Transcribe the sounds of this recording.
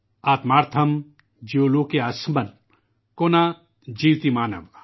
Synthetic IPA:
aːt̪maːɾt̪ʰɐm | d͡ʒioloːkeasmɐn | koːna | d͡ʒiːwt̪imaːnɐ̰ʋ

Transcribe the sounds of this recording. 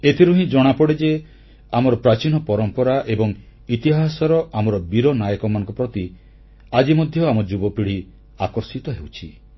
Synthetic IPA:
et̪ʰiɾuɦĩd͡ʒɔɽ̃apɔɽed͡ʒe | amɔɾɔpɾat͡ʃinɔpɔɾɔmpɔɾaʔebɔŋ | it̪iɦasɔɾɔʔamɔɾɔbiɾɔnajɔkɔmanɔ̃ŋkɔpɾɔt̪i | ad͡ʒimɔd̪ʱjɔamɔd͡ʒubɔpiɽ̤i | akɔɾsit̪ɔɦewt͡ʃʰi

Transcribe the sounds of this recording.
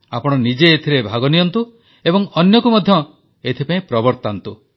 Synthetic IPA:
apɔɽ̃ɔnid͡ʒeːt̪ʰiɾebʱaɡɔnijɔnt̪u | ebɔŋɔnjɔkumɔd̪ʱjɔ | et̪ʰipaĩpɾɔbɔɾt̪ant̪u

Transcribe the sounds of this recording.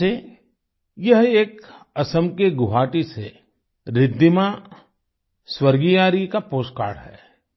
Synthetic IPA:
e | jɐɦeːk | ɐsəmkeɡʊɦaːʈise | ɾɪd̪ːimã | swəɾɡijaːɾikapoːska̰ːɽɦɛ̰ː

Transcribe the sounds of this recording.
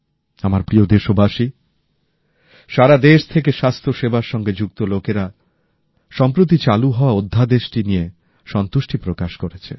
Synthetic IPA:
amaɾpɾiod̪eʃobʱaʃi | ʃaɾad̪eʃt̪ʰek̬eʃast̪ʰoʃebaɾʃɔŋɡed͡ʑuk̚t̪olokeɾa | ʃɔmpɾot̪̬it͡ɕaluɦɔoaod̪ʱːad̪eʃʈinije | ʃɔnt̪uʃʈipɾokaʃkoɾet͡ɕʰe

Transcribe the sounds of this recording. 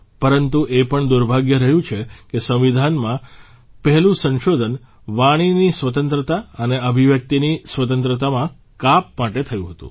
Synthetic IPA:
pəɾənt̪uʔepəɳd̪uɾbʱaɡjəɾəɦjũt͡ʃʰekesə̃ʋ̃ʋid̪ʱanmã | pəɦɛlũsə̃nʃod̪ʱən | ʋaɽ̃inisʋət̪ənt̪ɾət̪aəneəbʱiʋjək̚t̪inisʋət̪ənt̪ɾət̪amã | kap̚maʈet̪ʰəjũɦət̪ṵ̃

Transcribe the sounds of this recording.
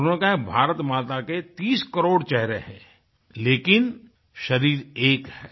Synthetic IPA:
kabʱaːɾət̪maːt̪aket̪iːskəɾoːɽt͡ʃɛɦɾeɦɛ̃ː | leːkɪn | ʃɐɾiːɾeːkhɛː

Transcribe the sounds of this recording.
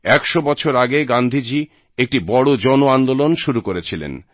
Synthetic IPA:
ɛkʃobɔt͡ɕʰoɾaɡeɡand̪ʱid͡ʑi | ek̚ʈibɔɽod͡ʑɔnoand̪olonʃuɾukoɾet͡ɕʰilḛn

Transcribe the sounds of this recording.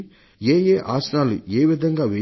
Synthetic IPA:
eːjeːʔaːsnaːlueːʋid̪ʱɐŋɡaːʋe

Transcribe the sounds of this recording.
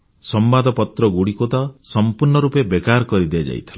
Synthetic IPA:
sɔmbad̪ɔpɔt̪ɾɔɡuɽikot̪ɔsɔmpuɾɳɔɾupebekaɾkɔɾid̪iad͡ʒa̰j̰t̪ʰila

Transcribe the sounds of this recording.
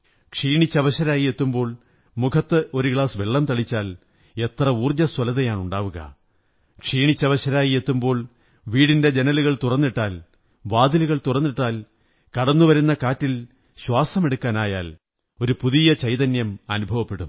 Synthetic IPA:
kʂiːɳit͡ɕːɐʋɐɕɐɾaːjie̞t̪ːumbo̞ːɭ | mukʰɐt̪ːɨʔo̞ɾuɡɭaːsʋeɭːɐmt̪ɐɭit͡ɕːaːl | e̞t̪rɐuːrd͡ʑɐswɐlɐðɐjaːɳuɳɖaːʋuɣɐ̰ | kʂiːɳit͡ɕːɐʋɐɕɐɾaːjie̞t̪ːumbo̞ːɭ | ʋiːɽinde̞d͡ʑenɐluɣɐɭt̪urɐnːiʈːaːl | ʋaːd̪iluɣɐɭt̪urɐnːiʈːaːl | kɐɽɐnːuʋɐɾunːɐkaːtːil | ɕwaːsɐme̞ɽukːaːnaːjaːl | o̞ɾupuðijɐt͡ɕɐjðɐnjɐmɐnubʱɐʋɐpːe̞ɽum

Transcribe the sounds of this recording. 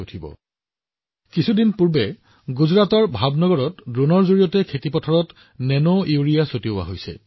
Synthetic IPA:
utʰibɔ̰ | kisʰudinpuɹbɛ | ɡuzɹatɔɹbʱabnɔɡɔɹɔtdɹonɔɹzoɹijɔtɛkʰetipɔtʰɔɹɔt | nɛnoiuɹijasotiowa̰ɦojsɛ̰

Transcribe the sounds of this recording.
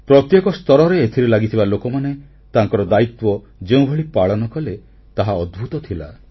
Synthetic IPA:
pɾɔt̪jekɔst̪ɔɾɔɾeːt̪ʰiɾilaɡit̪ʰibalokɔmane | t̪aŋkɔɾɔd̪ait̪wɔ | d͡ʒeũbʱeɭipaɭɔnɔkɔle | t̪aɦaɔd̪bʱut̪ɔt̪ʰila̰

